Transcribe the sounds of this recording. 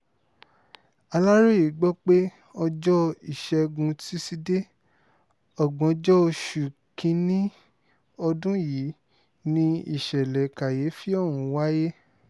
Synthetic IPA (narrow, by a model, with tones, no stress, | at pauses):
a˧la˦ɾi˦ji˨˦ɡ͡bɔ˦k͡pe˦ | ɔ˧d͡ʒɔ˦i˨ʃɛ˧ɡũ˧ti˦si˧de˦ | ɔ˦˨ɡ͡bɔ̃˨ɔ˧d͡ʒɔ˦o˧ʃu˨kĩ˧nĩ˦ | ɔ˧dũ˦ji˨˦ | nĩ˧ḭ˦˨ʃɛ˨lɛ˨ka˨je˨˦fi˦ɔ˦˨w̃ũ˨˦wa˦je˦